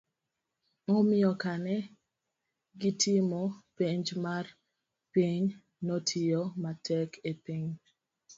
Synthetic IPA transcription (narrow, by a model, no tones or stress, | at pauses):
ŋɔmɪjɔkanɛ | ɡitʰimɔpeɲd͡ʒmar | piɲ | nɔtʰijɔmatʰɛkʰepiɲ